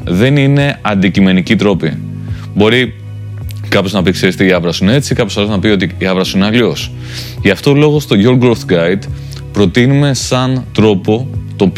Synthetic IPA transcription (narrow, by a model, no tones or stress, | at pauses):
ðe̞nine̞ɐnd̪icime̞nicit̪ɾo̞pi | bo̞ɾi | kɐpo̞znɐpikseɾist̪eiɐvɾɐsune̞t͡sikɐpoɐloznɐpio̞t̪iːɐvɾɐsineɐlio̞s | ʝɐft̪olo̞ɣost̪o̞ʝoɾɡolθɡɐjd̪ | pɾo̞t̪inume̞sɐnt̪ɾo̞po̞t̪o̞p